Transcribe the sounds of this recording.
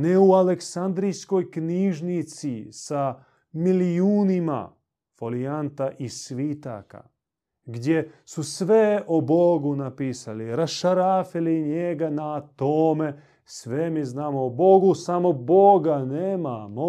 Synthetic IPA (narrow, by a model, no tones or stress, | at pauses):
neualeksand̪ɾijsko̞jkniːʒnit̪sisa | milijuːnima̰ | foliant̪aʔisʋit̪a̰ːka̰ | ɡd̪je̞susʋeoboɡunapiːsaliɾasʃaɾaːfiliɲeɡanat̪oːme | sʋemiznaːmoːboɡusamo̞boɡaneːmamo